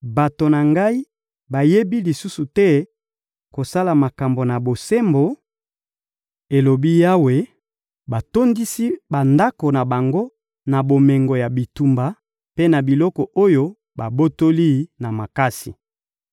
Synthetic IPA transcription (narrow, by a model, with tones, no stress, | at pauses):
ba˨to˨na˨ŋɡa˦i˦ | ba˨je˦bi˦li˨su˦su˨tɛ˦ | ko˨sa˦la˨ma˨ka˨mbo˨na˨bo˨se˦mbo˨ | e˨lo˨bi˦ja˦we˨ | ba˨to˦ndi˦si˦ba˨nda˦ko˨na˨ba˨ŋɡo˦ | na˨bo˨me˨ŋɡo˨ja˨bi˨tu˨mba˨ | pe˦na˨bi˨lɔ˦kɔ˨ʔo˦jo˦ | ba˨bo˦to˦li˦na˨ma˨ka˦si˨